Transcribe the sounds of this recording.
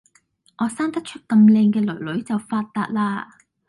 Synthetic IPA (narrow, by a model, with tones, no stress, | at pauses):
ʔɔː˨˧saː˥ŋt̪ɐ˥t̚t͡ʃʰɵ˥t̚kɐ˧mlɛː˧ŋkɛː˧lɵ̰˨˩ɥlɵ˨˥ɥt͡sɐ˨˩wfaː˧t̚t̪aː˧t̚laː˧